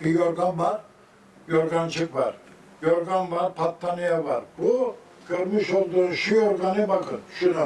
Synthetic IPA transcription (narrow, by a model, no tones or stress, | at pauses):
ijoɾɡanvaɾ | joɾɡant͡ʃʰɯkva̰ɾ | joɾɡanvaɾpʰat̪ʰːanijava̰ɾbu | ɡøɾmiʃolˠd̪uɾuʃijoɾɡanibakʰɯnʃuɾa